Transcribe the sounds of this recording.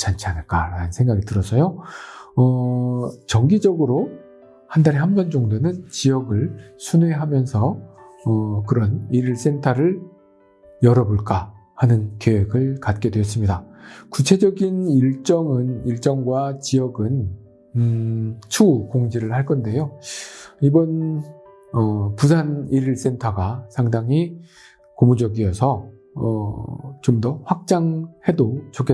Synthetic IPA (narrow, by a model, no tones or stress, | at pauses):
t͡ɕant͡ɕʰanɯɭk͈aɾanɯnsʰe̞ŋɡaɡitɯɾʌsʰʌjo | ʌ | t͡ɕʌŋɡid͡ʑʌɡɯɾo | handaɾiɦambʌnd͡ʑʌŋdonɯnt͡ɕijʌɡɯɭsʰunwe̞ɦamjʌnsʰʌ | ʌkɯɾʌniɾiɭs͈entʰaɾɯɭ | jʌɾʌboɭk͈a | hanɯnkeweɡɯɭkat̚k͈e̞dwejʌs͈ɯmɲidakut͡ɕʰe̞d͡ʑʌɡiniɭt͡ɕ͈ʌŋɯniɭt͡ɕ͈ʌŋɡwat͡ɕijʌɡɯn | t͡ɕʰukoŋd͡ʑiɾɯɭhaɭk͈ʌnde̞jo | ibʌn | ʌpusʰaniɾiɭs͈e̞ntʰaɡasʰaŋdaŋɦi | komud͡ʑʌɡiʌsʰʌ | ʌt͡ɕomdʌɸwak̚t͡ɕ͈aŋhe̞dot͡ɕokʰe